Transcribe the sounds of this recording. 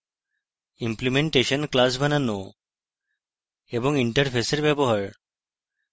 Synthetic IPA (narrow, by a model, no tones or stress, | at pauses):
implimeɳʈeʃɔnklas̬bʱanano | ebɔŋiɳʈəɾpʰeseɾbɛbɔɦaɹ